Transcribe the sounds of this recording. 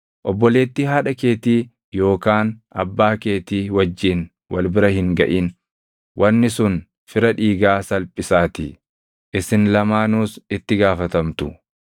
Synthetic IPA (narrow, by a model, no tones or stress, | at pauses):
ʔɔbːɔle̞ːt̪ːɪɦaːᶑɐke̞ːt̪iː | jo̞ːkaːnʔɐbːaːke̞ːt̪iːwɐd͡ʒːin | wɐ̰lbɪɾɐhɪŋɡɐ̰ʔin | wʔɐnːɪsʊn | fɪɾɐᶑiːɡaːsɐlpʼːɪsaːt̪ɪ | ʔɪsɪnlɐmaːnuːsɪt̪ːɪɡaːfɐt̪ɐmt̪ʊ